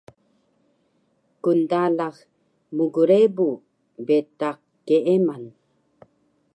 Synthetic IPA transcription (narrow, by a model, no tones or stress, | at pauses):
kundalax | muɡuɾebu | betaq | keʔeman